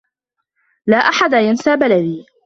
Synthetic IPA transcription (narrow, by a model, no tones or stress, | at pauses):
laːʔaħad̪ajansaːbalad̪iː